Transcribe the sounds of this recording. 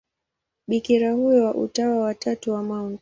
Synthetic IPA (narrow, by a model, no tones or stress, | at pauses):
ɓikiɾahujɔwaʔṵtawawatatuwamaunt